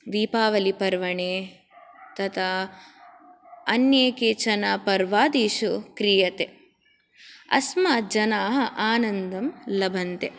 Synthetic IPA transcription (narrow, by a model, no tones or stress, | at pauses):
d̪iːpaːʋɐlipɐɾʋɐɳeː | t̪ɐt̪ʰa | ɐnjeːkeːt͡ʃɐnaːpɐɾʋaːd̪iːʃukɾijɐt̪e | ɐ̰smaːd͡ʒɐnaːɦɐʔaːnɐnd̪ɐmlɐbʱɐnt̪e